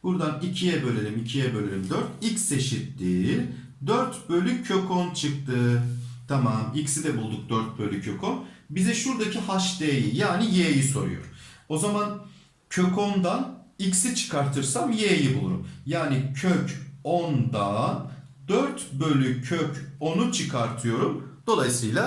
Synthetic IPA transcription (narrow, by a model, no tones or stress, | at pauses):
b̥uɾd̪anicʰijɛbø̞lʲeɾimicʰijɛbølʲeɾimd̪øɾt̪icse̞ʃit̪ːiː | d̪øɾt̪bø̞lʲykʰːø̞kʰont͡ʃʰɯk̚t̪ʰɯt̪ʰamamicsid̪ɛbulˠd̪uk̚d̪øɾt̪̚bølʲycʰøkʰonbizɛʃuɾd̪acʰiɦaʃd̪eːjijaːnijeːjiso̞ɾṵjo̰ɾ̥o̞zaman | cʰø̞kʰo̞nd̪anicsit͡ʃʰɯ̥kʰaɾt̪ʰɯɾsamjeːjibulˠṵɾṵmjaːnicʰøcond̪a | d̪øɾt̪bølʲycʰøco̞nut͡ʃʰɯkʰaɾt̪ʰɯjo̞ɾumd̪o̞lˠajsɯjlˠa